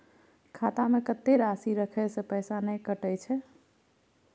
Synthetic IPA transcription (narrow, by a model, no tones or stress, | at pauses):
kʰat̪amekət̪ːeɾasiɾəkʰɛsepəjsanəjkəʈəjt͡ʃʰɛ